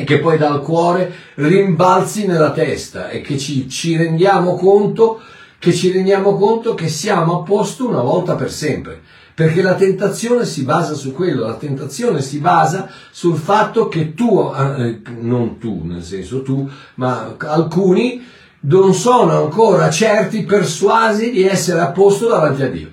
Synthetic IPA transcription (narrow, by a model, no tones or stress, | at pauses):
ek̟ːepːɔjd̪alkwɔːɾe | riɱbalt̪sinelːat̪ɛst̪a̰ʔḛk̟ːet͡ʃːit͡ʃiɾend̪jaːmokont̪o | ket͡ʃːiɾend̪jaːmokont̪ok̟esːjaːmoapːost̪iunavɔlt̪apersɛmpɾḛ | perkelat̪ent̪at̪sːjoːnesibaːzasukːwelːolat̪ent̪at̪sːjoːnesibaːza | sulfat̪ːok̟et̪ːuanont̪ṵnḛlsɛnsot̪u | maalkuːni | nonsoːnoaŋkoːɾat͡ʃɛrt̪iperswaːzid̪iɛsːeɾeapːost̪od̪avant̪̬iad̪ːḭːo